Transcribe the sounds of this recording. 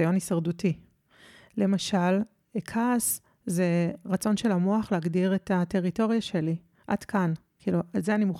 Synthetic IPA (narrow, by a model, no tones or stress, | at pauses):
ajo̞nisaʁduti | le̞maʃal | kʰas | zeʁat͡so̞nʃe̞lamoaχleːɡdiʁetate̞ʁito̞ʁijaʃe̞li | ʔa̰d̥kan | kʰiːlualzeanimuχ